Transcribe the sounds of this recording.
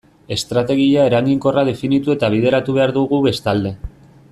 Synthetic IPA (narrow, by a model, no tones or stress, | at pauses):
e̞st̪ɾat̪e̞ɣiae̞ɾaŋɡiŋko̞raðe̞finit̪ue̞t̪aβ̞ið̞e̞ɾat̪uβe̞aɾðuɣuβe̞st̪ald̪e̞